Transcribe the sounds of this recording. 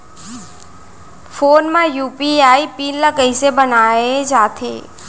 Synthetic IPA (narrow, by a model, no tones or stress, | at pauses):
foːnmãjuːpiaːipiːnlakəisebənaːed͡ʒaːt̪ʰḛː